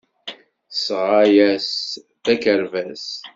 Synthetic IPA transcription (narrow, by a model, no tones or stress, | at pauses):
sʁajæs | θækəɾvæs